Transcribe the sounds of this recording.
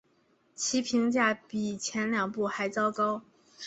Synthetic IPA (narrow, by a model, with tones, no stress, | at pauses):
t͡ɕʰi˧˥pʰi˧˥ŋt͡ɕja˥˩pi˨˩t͡ɕʰjɛ˧˥nljɑ˨˩ŋpu˥˩xa˧˥ɪt͡sɑ˥ʊkɑ˥ʊ